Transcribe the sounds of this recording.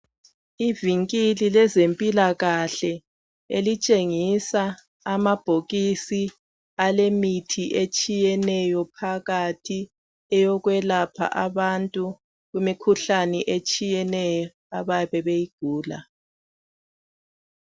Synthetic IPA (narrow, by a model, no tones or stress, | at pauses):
iviŋkʼililɛzempʼilaɣaɬɛ | ḛlit͡ʃʼeŋisa | amab̥ʱoɣisi | alemitʰiʔet͡ʃʼijɛnɛjɔpʰaɣatʰi | ɛjɔɣwɛlapʰa̰ʔaβantʼu | ɣumikʰuɬanɛʔet͡ʃʼijɛnɛjɔ | aβaβɛβejiɡ̥ʱuːla̰